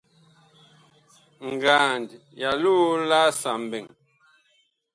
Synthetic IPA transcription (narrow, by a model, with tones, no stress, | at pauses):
ŋ̩˨ɡaː˨nd | ja˨luː˦la˦sa˨m˨bɛ˨ŋ